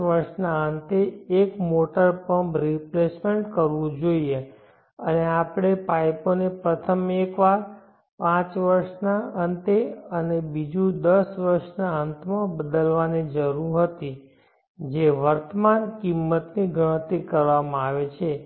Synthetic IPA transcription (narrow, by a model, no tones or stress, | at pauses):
ʋəɾʃnaənt̪eːkmoʈəɾpəɳbɾiplesmeɳʈkəɾʋũd͡ʒoie | əneapɽ̃epajponepɾət̪ʰəmekʋaɾ | pãt͡ʃʋəɾʃnaənt̪eənebid͡ʒũd̪əsʋəɾʃnaənt̪mãbəd̪əlʋanid͡ʒəɾũɦət̪i | d͡ʒeʋəɾt̪əmankimːət̪niɡəɽ̃ət̪ikəɾʋamãaʋet͡ʃʰe